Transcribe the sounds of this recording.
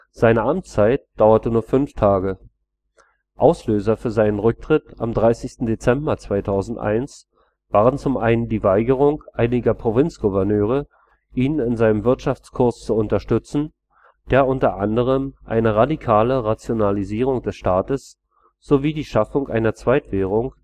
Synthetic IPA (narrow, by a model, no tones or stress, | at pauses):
z̥aɪnəʔamt͡st͡saɪt̚d̥aʊɐtənuːɐfʏnftʰaːɡə | ʔaʊsløːzɐfyːɐzaɪnənʁʏk̚tʁ̥ɪta̰mdʁaɪsɪçstn̩det͡sɛmbɐt͡sv̥aɪtʰaʊzn̩tʔa̰ɪns | v̥aːʁənt͡sʊmʔaɪnəndiːvaɪɡəʁ̞ʊŋʔaɪnɪɡɐpʁ̥ovɪnt͡sɡ̥uvɛɐnøːʁ̞ə | ʔiːnɪnzaɪnəmvɪɐtʃaft͡skʰʊɐst͡suʊntɐʃtʏt͡sn̩ | d̥eːɐʊntɐʔandəʁ̞əmʔa̰ɪnəʁadikʰaːləʁat͡sjonaliziːʁ̞ʊŋd̥ɛsʃtaːtəs | z̥oviːdiːʃafʊŋʔaɪnɐt͡sv̥aɪtv̥eːʁ̞ʊŋ